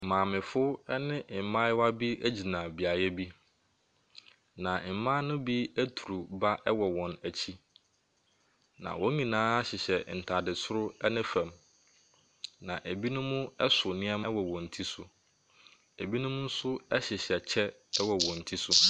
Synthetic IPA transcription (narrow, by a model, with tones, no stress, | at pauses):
mãː˨mɪ̃˨fʊ˦ɛ˦nɪ̃˦˨mã˦ɪ˦wa˦bi˦æ˦d͡ʑi˨nã˨bi˨a˨jɛ˦bi˦ | nã˨m̩˨˦mã˦nʊ̃˦bi˦æ˦tʰu˨ɾu˨ba˦ʔɛ˦wɔ˨wɔ̃˨næ˨t͡ɕʰi˦ | nã̰˨wɔ˦ɲĩ˨nãː˦a˦ɕɪ˨ɕɛ˨n̩˨tʰa˨dɪ˨sʰʊ˦ɾʊ˦ɛ˦nɪ̃˦fæ̃˨m | nã̰˨ʔæ˨bi˦nʊ̃˦mʊ̃˦ɛ˦sʊ˨nɪ̃˦a˦ma˦wɔ˨wɔ̃˨n̩˨tʰi˦sʊ˨ | æ˨bi˦nʊ̃˦mʊ̃˦n̩˦sʊ˦ɛ˦ɕɪ˨ɕɛ˨t͡ɕʰɛ˦ | ɛ˦wɔ˨wɔ̃˨n̩˨tʰi˦sʊ˦